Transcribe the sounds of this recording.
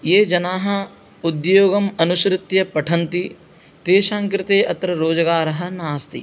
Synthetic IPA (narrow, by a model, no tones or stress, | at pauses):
jeːd͡ʒɐnaːɦɐ̆ | ud̪joːɡɐmɐnuʃɾɪt̪jɐpɐʈʰɐnt̪i | t̪eːʃaːŋkɾɪt̪eːʔɐt̪ɾɐɾoːd͡ʒɐɡaːɾɐɦɐ̆naːst̪ḭ